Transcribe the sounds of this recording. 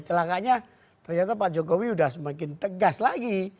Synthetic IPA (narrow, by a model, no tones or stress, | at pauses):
t͡ʃəlakaɲa | t̪ərɲat̪apad͡ʒokowiudahsəmakɪnt̪əɡaslaɡi